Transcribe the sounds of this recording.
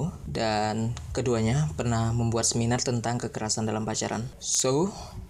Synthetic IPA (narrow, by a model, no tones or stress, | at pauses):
dankəduaɲapərnahməmbuat̪̚səminart̪ənt̪aŋkəkəɾasandalampat͡ʃa̰ɾa̰nso